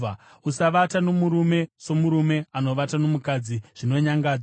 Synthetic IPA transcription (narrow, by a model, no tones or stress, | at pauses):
usaʋatano̞muɾume̞so̞muɾume̞ano̞ʋatano̞mukad͡ziʐ̥ino̞ɲaŋɡaːd͡z